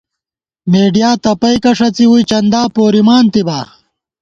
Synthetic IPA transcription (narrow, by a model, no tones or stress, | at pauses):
meːɖijaːt̪ɐpɐjkɐʂɐt͡siwujt͡ɕɐnd̪aːpoːɾimaːnt̪ibaː